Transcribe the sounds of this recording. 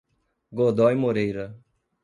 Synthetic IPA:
ɡod̪ɔjmoɾejɾɐ

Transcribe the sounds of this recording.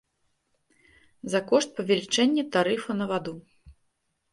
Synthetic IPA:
zakɔʂt̪̚pɐvʲɛlʲit͡ʂɛnʲːɛt̪aɾɨfɐnɐvad̪u

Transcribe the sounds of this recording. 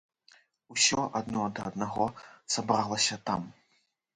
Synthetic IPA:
usʲɔʔad̪nɔd̪ɐːd̪naɣɔsabɾalˠɐsʲɐt̪a̰m

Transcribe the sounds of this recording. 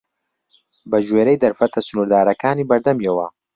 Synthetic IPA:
bɐʒweːɾɐjd̪ɐɾfɐt̪ɐsʊnuːɾd̪aːɾɐkaːniːbɐɾd̪ɐmjɛwɐ

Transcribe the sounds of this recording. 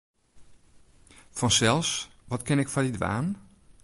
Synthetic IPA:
fɔnsɛlˠs | ʋɔtkɪnɪkfɔdidʋa̰ːn

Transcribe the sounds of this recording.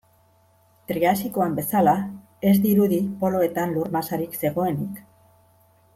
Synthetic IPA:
t̪ɾiasiko̞ambe̞sala | e̞zd̪iɾuðipo̞lo̞e̞t̪anluɾmasaɾikse̞ɣo̞e̞nik

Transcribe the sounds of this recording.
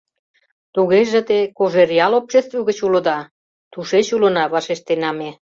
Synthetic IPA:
t̪uɣeʒĕt̪ekoʒerjɑlopʃest̪vuɣət͡ɕulə̆d̪ɑ | t̪uʃet͡ɕulə̆nɑβɑʃeʃt̪enɑme

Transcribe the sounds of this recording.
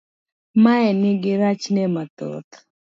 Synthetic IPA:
maɛnɪɡɪɾat͡ʃnɛmat̪o̰t̪

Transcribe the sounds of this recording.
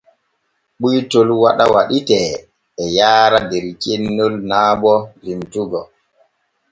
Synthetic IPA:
ɓujtolwaɗawaɗitɛː | jaːɾadɛɾt͡ʃenːolnaːbɔlimtuɡɔ

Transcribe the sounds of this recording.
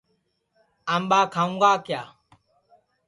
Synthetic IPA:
amɓaːkʰaũŋɡaːkjaː

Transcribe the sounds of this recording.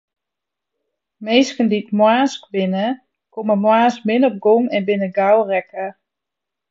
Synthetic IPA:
meːskənditmwaːskbɪnə | koməmwaːsmɪnɔp̚ɡoŋɛnbɪnəɡawrɛkə

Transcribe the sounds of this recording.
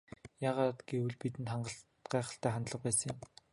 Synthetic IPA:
jaːʁaːt̪ɡ̥ewɘ̆ɮpit̪ɘ̆nt̪χaɴɢə̆ɬ | ɢæːχə̆ɬt̪æːχant̪ɮə̆q̚pæːsə̃̆ŋjĭm

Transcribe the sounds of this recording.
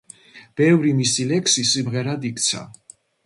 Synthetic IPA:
b̥ɛvɾimisilɛksisimʁɛɾad̪ik̚ʰʼt̪sʰa̰

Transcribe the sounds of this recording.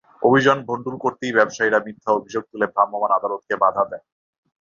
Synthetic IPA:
obʱid͡ʑonbʱoɳɖulkoɾt̪ibɛbʃajɾamit̪ʰːaobʱid͡ʑoɡ̚t̪ulebɾamːomanad̪alot̪̚kebad̪ʱad̪ɛ

